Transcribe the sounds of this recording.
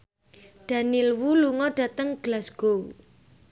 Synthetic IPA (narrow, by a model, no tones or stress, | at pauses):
ɖ̥a̤nilwuluŋɔɖ̥ä̤t̪əŋɡ̥lasɡ̥owṵ